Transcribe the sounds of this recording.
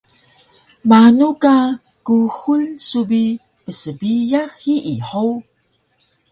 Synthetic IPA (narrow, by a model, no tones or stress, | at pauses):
manuka | kuxulsubi | pəsəbijaxhiʔiħow